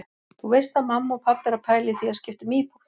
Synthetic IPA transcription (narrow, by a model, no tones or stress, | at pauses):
θuvejst̪aðmamːaɔpʰapːɛɾapʰaːjlɪθiascɪft̪ʏmiːpʰu̥t̪